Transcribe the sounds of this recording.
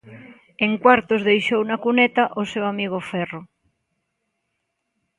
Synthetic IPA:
eŋkwaɾt̪ozðejʃownakunet̪aʔosewamiɣ̞ofɛro

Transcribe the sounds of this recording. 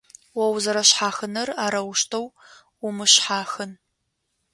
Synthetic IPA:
wɐwzɐɾɐɕħaːxɨnɐraːɾɐwʊʃtʰɐw | wʊmɨɕħaːxɨn

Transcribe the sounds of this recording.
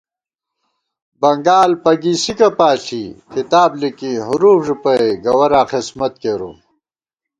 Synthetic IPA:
bɐŋɡaːlpɐɡisikɐpaːɬʰikit̪aːblikiɦuɾuːfʐupɐeɡɐwɐɾaːxesmɐt̪̚keːɾo̰

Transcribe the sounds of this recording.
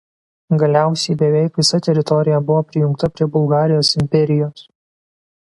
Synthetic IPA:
ɡɐlʲæˑʊsʲɛɪbʲɛʋʲɛɪkʋʲɪsɐt̪ʲɛɾʲɪt̪ɔɾʲɪjɛbʊʋoːpʲɾʲɪjʊŋkt̪ɐpʲɾʲiɛbʊlˠɡɑːɾʲɪjoːsɪmʲpʲɛɾʲɪjoːs

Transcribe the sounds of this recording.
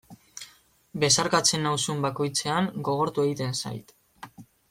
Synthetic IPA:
be̞saɾkat͡se̞nːawsumbako̞jt͡se̞aŋɡo̞ɣ̞o̞ɾt̪ue̞ɣit̪e̞nsa̰jt̪

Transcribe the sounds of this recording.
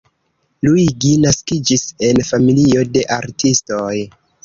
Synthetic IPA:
luiɡinaskid͡ʒise̞nfamilio̞de̞ʔaɾtʰisto̞j

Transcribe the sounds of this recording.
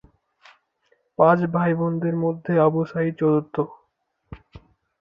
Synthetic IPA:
pãt͡ɕbʱajbond̪ʱeɾmod̪ʱːeɔboʃait͡ɕɔd̪ot̪ːo

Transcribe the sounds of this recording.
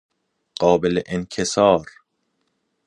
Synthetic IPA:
ɢ̥ɒːbeleʔenkʰesɒːɾ

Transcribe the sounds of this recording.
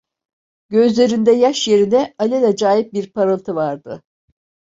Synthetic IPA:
ɟ̥øzlʲe̞ɾind̪ɛjaʃje̞ɾinɛalʲelʲɛd͡ʒaːjip̚biɾpʰaɾɯlˠt̪ʰɯvaɾd̪ɯ

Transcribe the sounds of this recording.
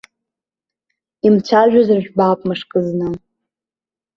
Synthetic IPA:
imt͡ɕʷʰaʒᶣazɨrʒᶣbaːpʼmɨʂkʼɨznɨ

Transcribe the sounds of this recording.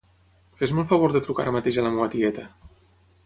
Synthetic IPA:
fezmɔlˠfəβ̞oɾðət̪ɾuka̰ɾəmət̪eʒələmuət̪iɣɛt̪ə

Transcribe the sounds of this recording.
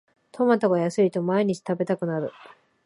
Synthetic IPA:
t̪ʰomat̪aɡajasɨit̪o̞maiɲ̟it͡ɕi̥t̪abe̞t̪akɯ̟naɾɯ̟

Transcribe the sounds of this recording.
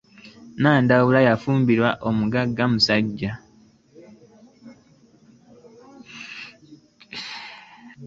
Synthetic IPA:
naːndawulajafuːmbiɾwaʔomuɡaɡːamusaɟːa

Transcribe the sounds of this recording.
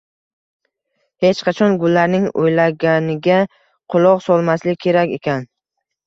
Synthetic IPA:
he̞t͡ʃqʰɑt͡ʃʰɒnɡʊlːaɾnɪŋojlaɡʲanɪɡʲa | qʰʊlˠɒqsɒlˠmaslɪkʲkʲʰe̞ɾakʲe̞kʲan

